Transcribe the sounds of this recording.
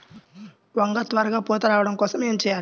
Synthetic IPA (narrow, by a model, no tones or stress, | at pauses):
ʋɐŋɡɐt̪ʋɐɾɐɡaːpɔːt̪ɐɾaːʋɐɽɐmkɔːsɐmeːmt͡ʃɛjaːɾ